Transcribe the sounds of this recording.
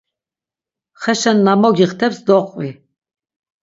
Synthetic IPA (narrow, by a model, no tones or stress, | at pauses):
χɛʃanːamɔɡiχt̪ʰɛpsd̪ɔqʼvi